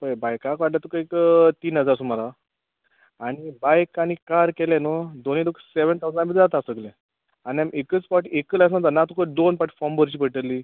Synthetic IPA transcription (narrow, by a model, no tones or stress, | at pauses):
pəjbajkakʋaɖlat̪ukəikt̪iːnɦəd͡zaɾsumala | aɽ̃ibajkaɽ̃ikaɾkɛlanəd̪onid̪okʰseʋənt̪ʰawd͡zə̃nabit̪d͡zat̪asəklɛ̃ | añiamʔekət͡spaʈekəlas̬nə̃t̪anat̪ukəd̪onpaʈfɔmbəɾt͡ɕiːpəʈəɾli